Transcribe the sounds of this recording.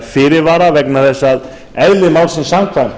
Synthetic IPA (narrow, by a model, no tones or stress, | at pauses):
fɪːɾɪɾvaːɾavɛknaθɛsːað | ɛðlɪmaːwlsɛmsamkʰvajm